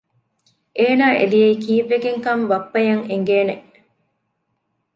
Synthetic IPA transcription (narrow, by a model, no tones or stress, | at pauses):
ʔeːnaːʔḛlijeikiːʋːeɡeŋkɐmʋɐpːɐjɐŋeŋɡeːneʔ